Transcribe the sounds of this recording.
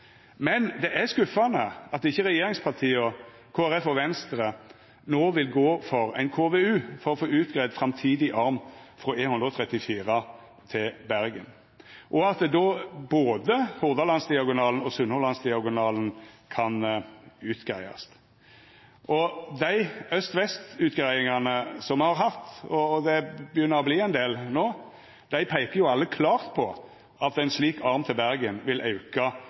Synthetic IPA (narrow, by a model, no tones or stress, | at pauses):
mɛnd̪ɛʔæskʉfːɑnəɑt̪̚ɪçːəʁɛjeːɾɪŋspʰɑʁt̪ʰiːɔ | kʰoːæʁɛfɔʋɛnst̪ɾə | noːʋɪlɡoːfɔɾæ̰ɪnkʰoːʋeʉːfɔɾɔfoːʉːt̪ɡʁæɪd̪fʁɑmt̪ʰiːd̪ɪʔɑɾmfʁɔeːnhʉnd̪ɾɔt̪ʰʁɛt̪ːɪfiːʁɑ | t̪ʰɪlbæɾɡə̰n | ʔɔɑt̪d̪oːboːd̪əhʊʁd̪ɑlɑnsd̪ɪɑɡʊnɑːln̩ɔsʉnhɔʁlɑnsd̪ɪɑɡʊnɑːln̩kʰɑnʉːt̪ɡ̥ɾæɪɑ̰s | ʔɔd̪æɪœst̪ʋɛst̪ʉːt̪ɡɾæɪɪŋɑnəsɔmhɑʁɦɑt̪ɔd̪ɛbəjʏnːəʁɔbliːɛɪnd̪eːlnoː | d̪̥æɪpʰæɪkəʁjʊɑlːəkʰlɑːʁt̪pʰɔ | ʔɑt̪æɪnsliːkʰɑʁmt̪ʰɪlbæʁɡənʋɪlʔɑʉkɑ